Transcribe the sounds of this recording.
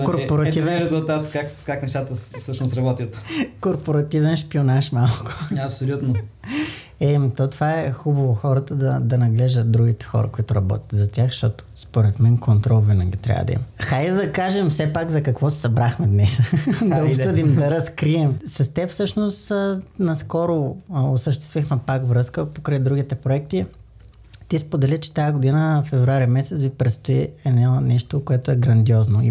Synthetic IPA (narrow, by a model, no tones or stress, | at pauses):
koɾpoɾɐt̪ivɛnɾɛzulˠt̪at̪kakkaknɛʃt̪at̪əfsɤʃnosɾɐbɔt̪ʲiət̪koɾpoɾɐt̪ivɛnʃpionaʃmalˠkʊ̥ɐpsolʲut̪no | ɛmit̪ɔt̪ovaɛxubɐvoxɔɾət̪əd̪ɐd̪ɐnɐɡlɛʒd̪ət̪̚d̪ɾuɡ̟it̪ɛ̥xɔ̰ɾɐ̰koit̪ʊɾɐbɔ̰t̪ʲə̥t̪zɐtʲjaxʃt̪ɔt̪o̥spoɾɛt̪mɛnkont̪ɾɔlˠvɛnaɡit̪ɾʲa̰və̰d̪ɐ̰ḭmɐxajd̪ɐkaʒɛmfsɛpakzɐkɐkvɔsɛ̥sɐbɾaxmɛd̪nɛsd̪ɐopssɤd̪imd̪ɐɾɐskɾiɛmsɐst̪ɛpfsɤʃnost̪nɐskɔɾoosəʃt̪ɛ̥st̪vixmɛpakvɾɤskəpokɾəjd̪ɾuɡ̟it̪ɛpɾoɛk̚t̪i | t̪ispod̪ɛlit͡ʃɛ̥t̪ajəɡod̪inəfɛvɾuaɾimɛsɛt̪svipɾɛt̪st̪oiɛnanɛʃt̪okoɛt̪ʊɛɡɾɐnd̪iɔznoḭ